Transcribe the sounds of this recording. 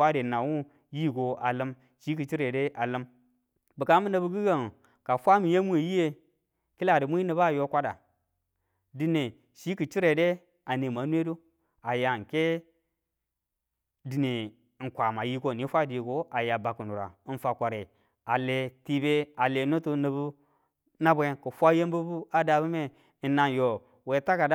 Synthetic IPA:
a˦de˨na˨wu˦ | ji˦˨ɡo˨a˨lə˦m | ʃi˦k̬i˨t͡ʃi˦ɾe˨de˦ʔa˨lə˦m | bi˨ka˦mbi˦na˦bi˦ɡi˦ɡa˦˨n˨ | ka˨fʷa˦mi˨je˦mʷ˦e˨ji˦je˦ | ki˦la˨di˨mu˦i˦ne˨ba˦˨jo˦kʷa˦da˨ | di˦ne˨ | ʃi˦ki˨t͡ʃi˦ɾe˨de˦ | a˨ne˨ma˨˦nwe˦do˦ | a˨ja˨ke˦ | di˨ne˨ | ŋ̩˨kʷa˨ma˨ji˦ko˦˨ni˦fʷa˦˨di˨ko˦a˨ja˨ba˨ku˨nu˨ɾa̰˨n˨fa˨kʷa˨ɾe˨ | a˨le˨ti˦be˦a˨le˨no˦tu˦ni˨bu˦ | na˦be˦kə˨fʷa˦je˦mbu˦bu˦a˦da˨bu˦me˦˨ | nːa˨n˨jo˨ | we˨ta˦ka˨da˦

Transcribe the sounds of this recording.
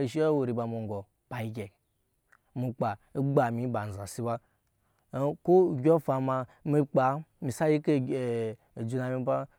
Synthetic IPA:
i˨ʃi˦o˦wo˨ɾi˨ba˨mu˨ŋ˨ɡɔ˨ | pa˨i˨˦ɡʲe˨ | mi˨k͡pa˨i˦ɡ͡ba˨mi˨˦ba˨n̩˨za˨si˦ba˦ | ko˦˨ɡʲo˦fa˧ma˧ | mi˧k͡pa˨mi˨sa˦ji˦ke˦˨ | d͡ʒu˧na˨mi˦ba˦

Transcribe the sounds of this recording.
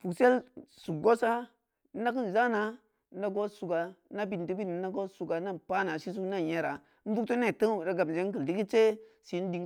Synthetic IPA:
fu˨kse˦lsu˨ɡo˦sa˦ | a˦ki˦n˨za˦na˦ | da˦ɡo˦su˨ɡa˨na˦bi˨n˨ti˦bi˦n˨˦a˦ɡo˦su˨ɡa˨˦na˦˨pa˦na˨si˦s̬u˦kna˦je˦ɾa˨ | m̩˦bu˦kto˦ne˦˨tə˦˨ɾa˨ɡa˨m˨d͡ʒe˦ŋ˦kə˨ldi˦ki˦t͡ʃe˦si˨˦n˦di˨ŋ

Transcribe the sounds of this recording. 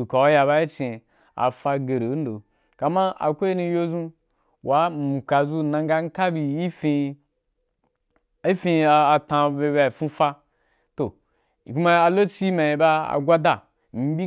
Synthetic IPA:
u˨ka˨wa˦ja˧ba˦i˦t͡ʃe˨ | a̰˨fa˧ɡe˨ɾe˨˦n̩˦do˨ | ka˨ma˦a̰˨kʷo˦i˦ni˧˦jo˦zũ˦ | wa˦m̩˨ka˨zu˦nã˧ŋ˦ɡa˦ŋ̩˦ka˦bi˨i˦fi˧ | i˦fi˧˨a˨tã˨˧be˧ba˨fũ˦fa˦ | to˨ | ku˦a˦a˨lo˦t͡ʃi˦ma˨i˨ba˦a̰˨ɡʷa˦da˨ | m̩˦bʲi˦

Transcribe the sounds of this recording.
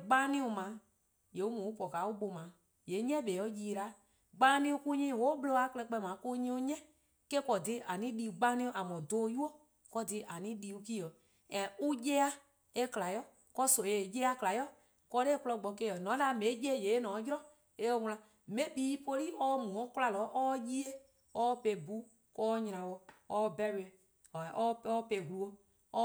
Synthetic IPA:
ɡ͡bãː˦nĩ˧˦o˧mã˨˦ | je˨u˦mũ˨u˦pɔ˨ka˨˦u˦ɓo˧mã˨˦ | je˨˦ɲɛ̃˦ɓeː˨ɔ˨˦jiː˧˨ɾa˨˦ | ɡ͡bãː˧˦nĩ˧u˧ku˧˦ɲĩː˦˨wo˦ɓlo˧a˨˦kɛ˧k͡pɛ˧˨mã˨˦ku˦˧˦ɲĩ˧˦u˧ɲɛ̃˦ | ke˦kɔ˨di˧˦ʔa˨nĩ˨˦liː˧u˨˧ɡ͡bã˧˦nĩ˧˦õ˧ʔa˨mɔ̃˨doː˦ju˦o˦ | kɔ˧˦di˧˦ʔa˨nĩ˦liː˧˦u˧ki˦ə˨ | ɛ̃˨u˦jɛ˦a˧ | e˧kla˨jɔ˦ | kɔ˦so˨je˨jɛ˦a˧kla˨jɔ˦ | kɔ˧˦ɾe˦k͡plɔ˧ɡ͡bɔ˧ke˦˨ɔ˨nɔ̃˨˦la˨mẽ˨˦d͡ʒe˦˨je˨˦nɔ̃˨˦jɾɔ˦ | e˧o˧wlã˨ | mẽ˨˦biː˨˦po˧li˦ʔɔː˦mũ˨ɔ̃˨˦kla˧lɔː˨˦ʔɔː˦ji˦e˦ | ɔ˦pe˧˨bu˦ | kɔː˦ɲ˦ɾã˨wɔ˧ɔ˦˧˦bɛ˧ɾe˨ | ɔ˨ɔ˦ɔ˦pe˧˨ɦulu˧o˧ | ɔ˦

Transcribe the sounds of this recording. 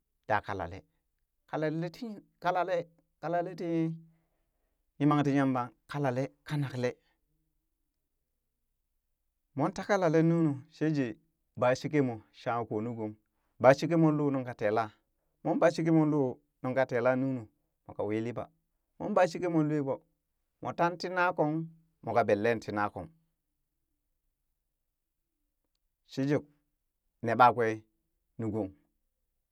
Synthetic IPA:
d̥a̰˨ka̰˨la̰˨lḛ˦ | ka˨la˨lle˦ti˦ | ka˦la˨le˦ | ka˨la˨le˦ti˦ | ji˦ma˦ŋti˦ɲa˦mba˨ŋka˦la˨le˦ka˦na˨kle˦ | mo˦nta˦ka˦la˨le˦nu˦nu˨ʃe˦d͡ʒi˨ | ba˨ʃi˦k̬e˦mo˨ʃa˦˨ko˨nu˦ɡo˨m | ba˨ʃi˦k̬e˦mo˦lo˦˨nu˦ŋka˨te˨la˦ | mo˦nba˨ʃi˦k̬i˦mo˦lu˦ | nu˨ŋka˨te˨la˦nu˦nu˨ | mo˨ka̰˨wi˦li˦ba̰˨ | mo̰˦nba˦ʃi˦ke˦mo˨lu˦e˦bo˨ | mo˨ta˦nti˦na˦ko˦ŋ | mo˨ka˨be˨lːe˦nti˨na˦ko̰˨m | ʃi˦d͡ʒi˨k̚ | ne˨ɓa˦kʷe˦ | nu˨ɡu˨ŋ

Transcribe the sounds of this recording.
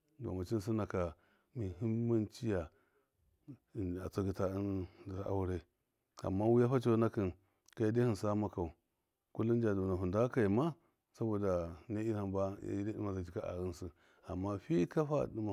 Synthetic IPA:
do̰˨ma˨t͡ʃi˦n˦s̬i˦na˨ka˨ | mi˨ɦi˦mː˦a˦nt͡ʃi˦ja˨ | a˨t͡sa˦ɡi˦ta˦i˦n˨a˦a̰˦wu˦ɾe˦ | a̰˨mːa˦wu˦ja˦ɸa˦t͡ʃo˦na˦ki˨n | ka˨˦jde˦hi˦˨nsa˦ma˦ka˨u˨ | ku˦lːu˦n˦d͡ʒa˨du˨na˨ɦu˨nda˦ka˨ji˨ma˦ | sa˦bo˨da˨ne˦i˦ha˨mba˦a̰˦i˦dɗḭ˦ma˨za˨t͡ʃi˨ka˦ʔa̰˨ɣi˦nsu˦ | a˨mːa˦ɸi˦ka˦ɸa̰˦˨di˦ma˨

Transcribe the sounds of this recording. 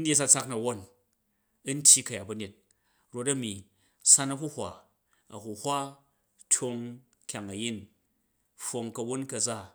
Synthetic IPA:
n̩˦dʲje˦s̬a˧t͡sa˦knɐ˨wo˦n | ɐ˦n̩˦tʲji˦kɐ˨ja˨t̚bɐ˨ne˨t̚ | ɾo˧tɐ˦mi˨ | sa˦nɐ˦ku˦hʷa˨ | ɐ̰˨hu˨hʷa˦ | tʰo˧ŋ | kʲa˨ŋɐ˨ji˦n | ɸo˨ŋkɐ˧wo˦nkɐ˧d͡za˦˨

